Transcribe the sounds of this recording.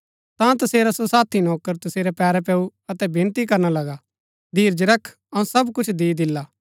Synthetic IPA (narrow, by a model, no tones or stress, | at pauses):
t̪ãt̪ɐseːɾasosaːt̪ʰinɔːkəɾt̪ɐseːɾɛpɛːɾɛpɛːuɐt̪ɛbɪ̃nt̪ik̬ɐɾnalɐɡa | d̪ʱiːɾd͡ʒɾɐkʰ | ɐũsɐbkʊt͡ʃʰd̪iːd̪ɪlːaː